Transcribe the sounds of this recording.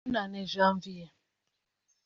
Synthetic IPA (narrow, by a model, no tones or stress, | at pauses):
nanezam̩vija